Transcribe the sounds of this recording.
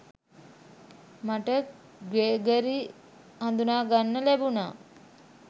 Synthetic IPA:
maʈə | ɡeːɡəɾi | and̪unaːɡanːəlæbuna̰ː

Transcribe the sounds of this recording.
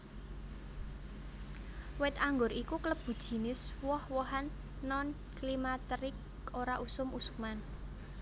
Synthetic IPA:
wɪt̪aŋɡʊɾikukələb̥ṳd̥ʒ̥i̤nɪswɔhwɔɦanː | ɔn | klimat̪ɾɪk̚ | oɾaʔusʊmusu̥k̚man

